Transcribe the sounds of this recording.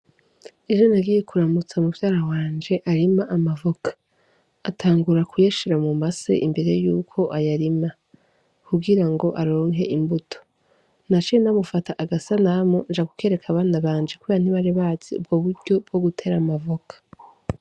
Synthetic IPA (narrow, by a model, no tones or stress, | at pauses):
eʒo̞naɡiːje̞kuɾamut͡saumuvjaːɾawaːnd͡ʒe̞ʔaɾimaʔamavokḁ | atʰaːŋɡuɾakujeʃiɾamumasḛʔimbe̞ɾe̞juːkʰo̞ʔajaɾima | kʰubɡiɾaŋɡo̞ʔaɾo̞ːŋɦe̞̰ʔimbutʰo̥ | nat͡ʃinamufataʔaɡasanamond͡ʒaɡu̥ke̞ːɾe̞kʰaβaːnaβaːnd͡ʒekuβeɾan̥iβaɾeβaːz̥iṵb̚ɡo̞βuɾɟo̞b̚ɡo̞ɡutʰe̞ɾamavokʰḁ